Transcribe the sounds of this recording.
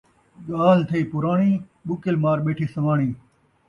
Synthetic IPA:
ɠaːlt̪ʰɐiːpʊɾaːɳiː | ɓʊkɪlmaːɾɓeːʈʰiːsɐʋaːɳ̃iː

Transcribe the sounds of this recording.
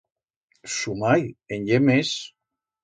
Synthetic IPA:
sumajenʎemes

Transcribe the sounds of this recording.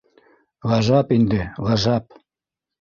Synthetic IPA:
lˠɑʒɑpind̪ɘlˠɑʒɑp̚

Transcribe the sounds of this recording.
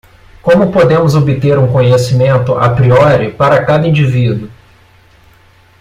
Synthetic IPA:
kõmʊpod̪ẽmʊzobɪt̪eɾũkõɲesimẽnt̪ʊʔa̰pɾiɔɾɪpaɾɐkad̪ɐĩd͡ʒivid̪ʊ

